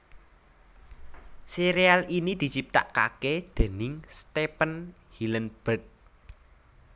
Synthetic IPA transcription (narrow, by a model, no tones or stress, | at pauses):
seɾealinid̪̥i̤t͡ʃip̚t̪a̰ʔka̰ked̪̥e̤nɪŋst̪epən | hilənb̥ət̪̚